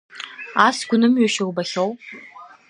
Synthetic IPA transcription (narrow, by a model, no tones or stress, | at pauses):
aːsɡ̥ʷʊnɨmɥɛʃɪwbɐɬɐw